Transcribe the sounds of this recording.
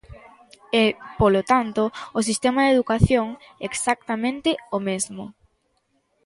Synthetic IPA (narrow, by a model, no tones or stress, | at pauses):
ɛpolot̪ant̪oːs̬ist̪emaðeðukaθjoŋeksak̚t̪amẽnt̪ɪomezmo